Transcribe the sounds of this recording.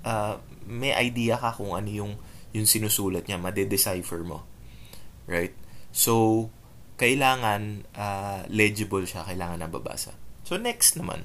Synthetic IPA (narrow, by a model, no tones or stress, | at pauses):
ʔa | mɛjʔɐ̰jd̪iːɐkɐkʊŋʔɐ̰nojʊŋjʊŋsɪnusuːlɐt̪̚ɲamɐd̪ɛd̪ɛsajfɛɹmo̞̰ | ɹajt̪̚so̞w | kɐʔɪlaːŋɐnʔalɛd͡ʒɪbɐlʃakɐʔlaːŋɐnːɐbɐ̰ba̰ːsɐ̰sonɛkst̪nɐma̰n